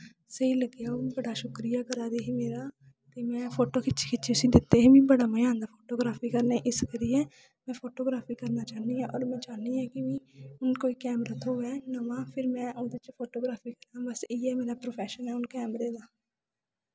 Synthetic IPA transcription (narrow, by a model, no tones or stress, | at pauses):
səiːləɡjaːobəɽaːʃʊkɾijaːkəɾaːd̪eːɦiːmeːɾaː | t̪eːmɛ̃ːpʰoːʈoːkʰɪt͡ʃʰe̥ːkʰɪt͡ʃʰesĩd̪ɪt̪ːeːɦiːʋĩːbəɽaːməjãːnd̪aːpʰoːʈoːɡɾaːpʰiːkəɾneːʔɪskəɾiɛː | mɛ̃ːpʰoːʈoːɡɾaːpʰiːkəɾnaːt͡ʃaːniːɛ̃ːʔɔːɾmɛ̃ːt͡ʃaːniɦɛ̃ːkɪʋĩːʊnkoːiːkɛːmɾaːt̪ʰoːɛːnəʋãːpʰɪɾmɛ̃ːʔʊd̪ɪt͡ʃpʰoːʈoːɡɾaːpʰiːkəɾãːbəseːɛːmeːɾaːpɾoːpʰɛːʃənɛːʊnkɛːmɾeːd̪aː